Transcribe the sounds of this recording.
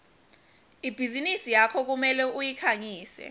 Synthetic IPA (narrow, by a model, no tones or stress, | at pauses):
ib̥ʱizinisijakʰɔk̬umɛlɛujikʰaɲiːsɛ̰